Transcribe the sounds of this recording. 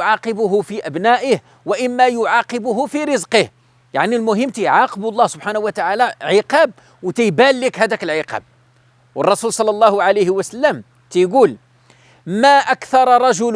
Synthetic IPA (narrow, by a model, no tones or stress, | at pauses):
ʕɑqəbʊɦʊfiʔæbnæʔəh | wæʔəmːajʊʕɑqəbʊɦʊfiɾəzqəh | ja̰ʕnilmʊɦəmːt̪əjʕɑqblˤːɑhsʊb̥ħanhʊwːət̪aʕalæʕəqɑb̚ | wt̪əjbælːəkɦæd̪ækəlʕəqɑ̰b̚ | wərˤːɑsulsˤɑlːɑlˤːɑhʊʕalejhwəsəlːəm | t̪əjɡul | mæʔækθɑɾˤɑɾˤɑʒʊl